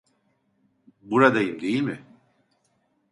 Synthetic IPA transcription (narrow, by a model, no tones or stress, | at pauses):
buɾad̪ajɯmd̪e̞jilʲmɪ